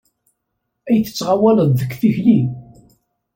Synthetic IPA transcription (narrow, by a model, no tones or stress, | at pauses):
æjθə̥t͡sːʁawæləððəkːθiçlim